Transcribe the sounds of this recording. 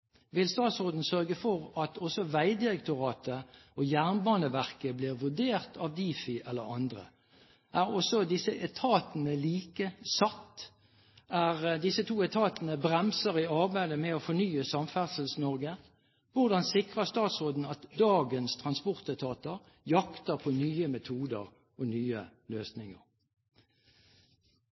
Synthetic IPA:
ʋɪlst̪ɑːt̪sʁoːd̪n̩sœʁɡəfɔʁɑt̪ʰɔsɔʋæɪd̪ɪʁɛkt̪ʊʁɑːt̪əojæʁnbɑːnəʋæʁkəbliːʁʋʉd̪eːʁt̪ʰɑːʋd̪iːfɪʔɛlːə̰ʁɑ̰nd̪ʁə̰ | ʔæːʁɔsɔd̪ɪsəʔɛt̪ʰɑːt̪ənəliːkəsɑt̪ː | æʁd̪ɪsət̪ʰuːɛt̪ʰɑːt̪ənəbʁɛmsəʁɪɑʁbæɪd̪əmɛofɔnyːəsɑmfæʁsəlsnɔʁɡə | ʋʊʁd̪ɑnsɪkʁəst̪ɑːt̪sʁoːd̪n̩ɑt̪d̪ɑːɡənst̪ʰʁɑnspɔʁt̪æt̪ʰɑːt̪əʁ | jɑkt̪əʁpʰɔnyːəmɛt̪ʰuːd̪əʁ | ɔnyːəløːsnɪŋə̰ʁ

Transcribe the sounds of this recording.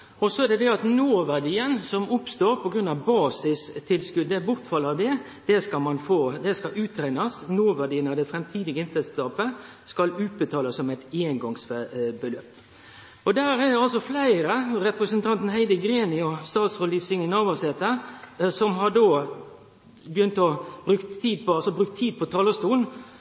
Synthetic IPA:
ɔsɔæd̪ɛd̪ɛɑt̪noːʋæɖiːənsɔmʊpst̪oːɾpʰɔɡɾʉnɑʋbɑːsɪst̪ʰːɪlskʉd̪əbʊʁt̪fɑlɑd̪ɛ | d̪̥ɛskɑmɑnfoːd̪ɛskɑʔʉːt̪ʰɾæɪnɑsnoːʋæɖiːənɑd̪ɛfɾɛmt̪ʰiːd̪ɪɡəɪnt̪əst̪ɑːpə | skɑlʉːt̪̚bət̪ʰɑːlɑsːɔmæɪt̪eːnɡɔŋsbəløːp | ɔd̪æːɾæd̪ɛɑlsɔflæɪɾəɾɛpɾəsənt̪ʰɑnt̪n̩ɦæɪd̪əɡɾeːnɪɔst̪ɑːt̪soliːfsɪŋənɑːʋɑset̪əsɔmɦɑɖ̪oː | bəjʏnt̪ɔbɾʉkt̪ʰːiːd̪̚pɔɑlsɔbɾʉk̚t̪ʰːiːd̪̚pʰɔt̪ʰɑːləst̪uːn

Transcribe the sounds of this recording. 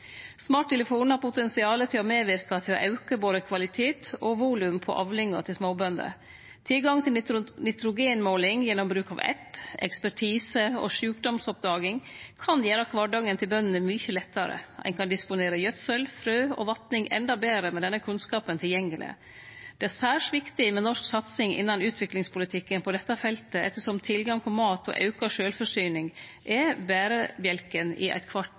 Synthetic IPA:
smɑːʈ̚t̪ɛləfuːnhɑɾpʰʊt̪ɛnsɪɑːlət̪ʰɪlɔmeːʋɪɾkɑt̪ʰɪlo̰ʔɑʉkəboːd̪əkʰʋɑlɪt̪ʰeːt̪ɔʋuːlʉmpʰɔ̰ʔɑ̰ːʋlɪŋːɑt̪ʰɪlsmoːbœnd̪ə̰ | t̪ʰɪlɡɑŋt̪ʰɪlnɪt̪ɾʊɡeːnmoːlɪŋjɛnːɔmbɾʉːkɑ̰ʋɛ̰pɛ̰kspæʈʰiːsəo̰ʂʉːkd̪ɔmsɔp̚d̪ɑːɡɪŋkʰɑnjæːɾəɑkʰʋɑɖɑŋənt̪ʰɪlbœnənəmʏçəlɛt̪ːɑɾə̰æ̰ɪnkʰɑnd̪ɪspʊneːɾəjœt̪sœlfɾøːʔɔ̰ʋɑt̪nɪŋʔɛ̰nd̪ɑbeːɾəmɛd̪ɛnːəkʰʉnskɑːpənt̪ʰɪljɛŋːəlʔɪ̰ | d̪̥ɛæsæːʂʋɪkt̪ɪmɛnɔʂksɑt̪sɪŋʔɪ̰nːɑnʉːt̪ʰʋɪklɪŋspʊlɪt̪ʰɪkːənpʰɔd̪ɛt̪ːɑfɛlt̪əɛt̪ːəʂɔmt̪ʰɪlɡɑŋpʰɔmɑːt̪ʰɔ̰ʔɑ̰ʉkɑʂøːlfɔʂyːnɪŋʔɛbæːɾəmjɛlkənɪ̰ʔæ̰ɪt̪kʰʋɑʈ

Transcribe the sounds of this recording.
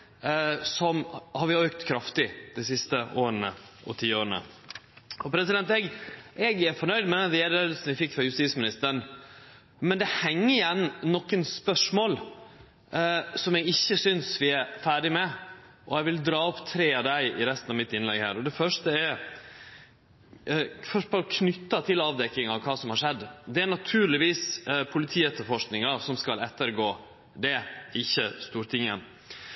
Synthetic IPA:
sɔmhɑɾʋɪœːkt̪kʰɾɑft̪ɪd̪̥æs̬ɪst̪əʔoːɾənə̰ʔɔ̰t̪ʰiːoːɾənə̰ | ɔpʰɾɛsɪd̪ɛnt̪ɛɡʔɛɡæɾfɔɳœʏd̪mɛd̪ɛnd̪ɛd̪eːd̪lsn̩ʋɪfɪkːfɾɑɾjʉst̪iːsmɪnɪst̪əɾəɳ | mɛnd̪ɛhɛŋːəɾɪjɛnːɔkːənspœʂmoːl | sɔmjɛɡɪçːəsʏnsʋɪæɾfæːɖɪmɛ | ʔɔɛɪʋɪld̪ɾɑːɔpːt̪ʰɾeːɑd̪æɪɪɾɛst̪n̩ɑʋmɪt̪ɪnlɛ̰ɡhæ̰ːɾɔd̪ɛfœʂʈəɛɾ | fœʂtpɔɔkʰnʏt̪ːɑt̪ʰɪlɑːʋd̪ɛkːɪŋɑʋkʰɑːsɔmhɑɾʂɛd̪ːd̪ɛæɾnɑt̪ʰʉːɾɭɪʋiːspʰʊlɪt̪ʰiːɛt̪ːəɾfɔʂknɪŋɑsɔmskɑlɛt̪ːəɾɡoː | d̪ɛɪçːəst̪uːɾt̪ʰɪŋə̰n

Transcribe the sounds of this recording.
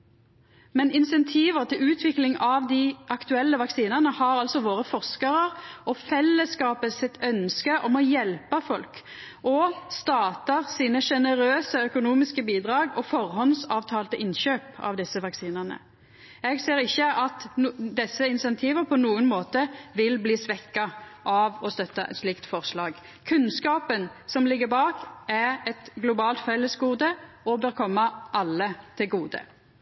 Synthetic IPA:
mɛnɪnsɛnt̪ʰiːʋəʁt̪ʰɪlʉːt̪ʰʋɪklɪŋɑʋd̪ɪʔɑkt̪ʉɛlːəʋɑksiːnəʁnəhɑɾɑlsɔʋoːʁəfɔʁskəʁəʁʔɔfɛlːəskɑːpəsɪt̪ʰœnskəʔɔmɔjɛlpəfɔlk | ʔɔst̪ɑːt̪əʁsiːnəʂɛnəɾøːsəœkʊnuːmɪskəbiːd̪ʁɑːɡɔfɔʁhɔnsɑːʋt̪ʰɑːlt̪əʔɪnɕøːpɑ̰ʋd̪ɪsːəʋɑksiːnəʁnə̰ | ɛɡseːɾɪçːəʔɑt̪d̪ɛsːəɪnsɛnt̪ʰiːʋəʁpʰɔnuːənmoːt̪əʋɪlbliːsʋɛkːɑʔɑʋɔst̪œt̪ːɑʔɛ̰t̪slɪkt̪fɔʁslɑːɡ | kʰʉnskɑːpənsɔmlɪɡːəbɑːkæʁɛt̪ɡlʊbɑːlt̪fɛlːəsɡuːd̪ə | ɔbøːɾkʰɔmːɑʔɑlːət̪ʰɪlɡuːd̪ə̰

